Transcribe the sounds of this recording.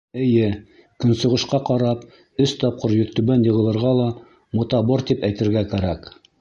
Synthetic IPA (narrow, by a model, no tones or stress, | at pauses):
ɘ̆jɘ | kɵ̆nsŏʁɤ̆ʃqɑqɑɾɑp | ɵst̪ɑp̚qɤɾjɵ̆ɾt̪ːɵβænjɤ̆ʁɤ̆lˠɤ̆ɾʁɑlˠɑ | mŏt̪ɑboɾt̪ipæjt̪ɘ̆ɾɡækæɾæk